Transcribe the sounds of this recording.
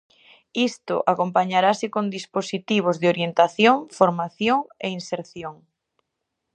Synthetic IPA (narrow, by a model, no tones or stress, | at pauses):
ist̪ʊ̰ʔakompaɲaɾasɪkond̪isposit̪iβ̞ozðɪoɾjent̪aθjoŋfoɾmaθjoŋeinseɾθjoŋ